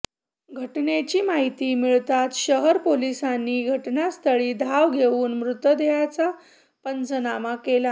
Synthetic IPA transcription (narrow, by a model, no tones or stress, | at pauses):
ɡʱəʈnet͡ɕiːmaɦit̪iːmiɭt̪at̪ɕəɦəɾpolisanːiːɡʱəʈnjast̪ʰəɭiːd̪ʱaʋɡʱeuːnmɾut̪əd̪ejat͡sa | pənt͡sənamakela